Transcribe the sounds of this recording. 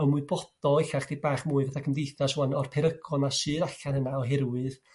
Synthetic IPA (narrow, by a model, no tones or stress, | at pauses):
ɔmuɨbɔd̥ɔɪɬaχd̥ejbaːχmuːɨvaθakʰəmdejθaswanɔrpʰɪɾəɡɔnaʃɨːɾaɬanhənaɔɦɛɾwɨð